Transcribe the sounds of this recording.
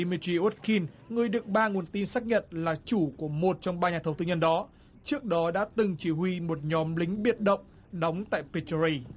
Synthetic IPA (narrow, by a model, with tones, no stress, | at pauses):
i˧mi˧ti˧ʔo˦˥t̚ki˧nŋɨ˨˩əjɗɨ˨˩ək̚ɓaː˧ŋu˨˩ənt̪i˧nsaː˦˥k̚ɲə̰˧˨nlaː˨˩t͡ɕu˧˩ku˧˩əmo˨˩t̚t͡ɕɔ˧wŋ͡mɓaː˧ɲaː˨˩t̪ʰə˧˩wt̪ɨ˧˦ɲə˧nɗɔ˨˦ | t͡ɕɨ˦˥ək̚ɗɔ˨˦ɗa̰ː˧˥t̪ɨ˨˩ŋt͡ɕi˧˩hwi˧mo˨˩t̚ɲɔ˨˦mlï˨˦ŋ̟ɓi˨˩ət̚ɗə̰˧˨wŋ͡m | ɗɔ˨˦wŋ͡mt̪a̰ː˧˨jpi˧t͡ɕɹi˧